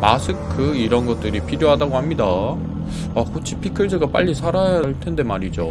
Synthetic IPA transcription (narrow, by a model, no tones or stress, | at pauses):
masʰɯkʰɯiɾʌnɡʌt̚t͈ɯɾipʰiɾjoɦadaɡoɦamɲida | akot͡ɕʰi̥pʰikʰɯɭsɯɡap͈a̰ʎːisʰaɾajaɭtʰe̞nde̞maɾid͡ʑo